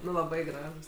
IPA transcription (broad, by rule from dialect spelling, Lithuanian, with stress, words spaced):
ˈnʊ lˠɐˈbɐɪ ˈɡrɑːʒuːs